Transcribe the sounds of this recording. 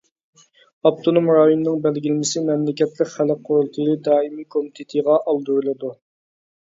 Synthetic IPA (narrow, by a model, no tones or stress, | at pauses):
ɑp̚t̪ʰonomɾɑjonnɨŋbɛlɡʲilmɪsɪmɛmlɪkʲɛt̪lɪkʲχælɪk̚qʰːʊɾulˠt̪ʰɨjlɨd̪ɑːimikʰomit̪ʰɪt̪ʰɨʁɑʔɑlˠd̪uɾɨlˠɨd̪u